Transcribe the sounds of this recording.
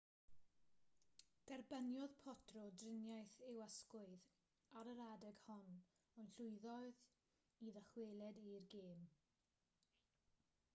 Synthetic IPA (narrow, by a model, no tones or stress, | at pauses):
d̥ɛrbənjɔðpʰɔtʰrɔdrɪnjajθɪwəskʊɨð | aɾəɾadɛɡ̥hɔn | ɔjnɬʊɨðɔð | iðəχweːlˠɛdirɡeːm